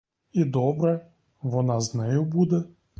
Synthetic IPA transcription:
id̪ɔbɾɛ | vɔnaznɛjubud̪ɛ

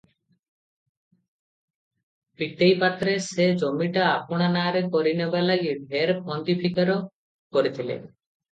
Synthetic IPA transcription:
pit̪ejpat̪ɾesed͡ʒomiʈaːpɔɽ̃anaɾekɔɾinebalaɡibʱeɾkʰɔnd̪ipʰikaɾɔ | koɾit̪ʰilḛ

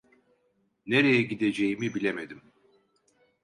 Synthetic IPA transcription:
neɾejɛɟid̪e̞d͡ʒejimibilʲemed̪im

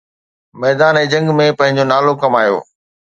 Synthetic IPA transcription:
mɛːd̪aːnɛ̃ːd͡ʑɐ̃ŋɡmẽpɐ̃ɦɪ̃ɲd͡ʑonaːlokɐmaːjo̰ː

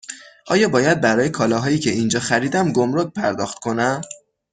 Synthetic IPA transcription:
ʔɒːjɒːbɒːjæd̪̚bæɾɒːjekʰɒːlɒːɦɒːjiːcʰe̞ind͡ʒɒːxæɾiːd̪æmɡo̞mɾoc̚pʰæɾd̪ɒ̰ːxt̪̚kʰo̞næm

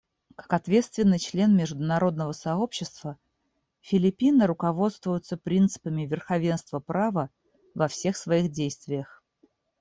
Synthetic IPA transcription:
kḁkɐt̪vʲe̞t̪st̪vʲɪnːɨjt͡ɕlʲe̞nmʲɪʐd̪ʊnɐɾo̞d̪nəvəsɐo̞pɕːɪst̪v̥ə | fʲɪlʲɪpʲinəɾʊkɐvo̞t̪st̪vʊjʊt̪səpɾʲint̪sɨ̥pəmʲɪvʲɪrxɐvʲe̞nst̪vəpɾavə | vɐfsʲe̞xsvɐixdʲejst̪vʲɪjəx

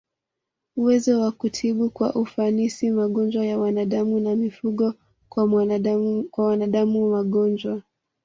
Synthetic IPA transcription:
uwɛzɔwakutʰiɓukwaʔufanisimaɠɔnd͡ʒwajawanaɗamunamifuɠɔ | kwa | kwawanaɗamumaɠɔnd͡ʒwa

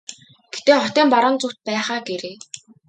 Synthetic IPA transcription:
ɡ̥et̪eːχɔt̪iːmpaɾə̆ːnt͡sʊt̪̚pæːχaːɡeɾeː

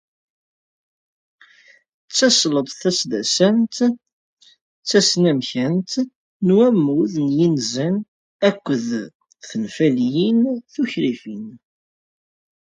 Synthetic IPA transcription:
t͡sːɑsləd̪ˤθæsd̪æsænt̪ | t͡sːæsnæmçænt̪ | nwæmːuðnjinzæn | ækʷːəð | θənfæljinθuçɾifin

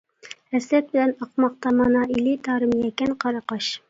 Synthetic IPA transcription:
ɛslɛt̪̚bɪlɛnɑqmɑq̚t̪ɑmɑnɑʔilit̪ʰɑːɾɨmjɛkʲɛnqʰɑɾɑqɑʃ

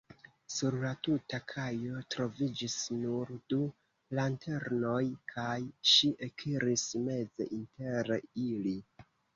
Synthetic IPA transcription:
suɾlatutakʰajo̞tɾo̞vid͡ʒisnuɾdu | lantʰe̞ɾno̞jkʰajʃiʔekʰiɾisme̞ze̞ʔinte̞ɾeili

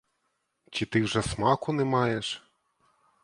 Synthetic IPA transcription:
t͡ʃit̪ɪwʐɛsmɑkʊnɛmɑjeʃ

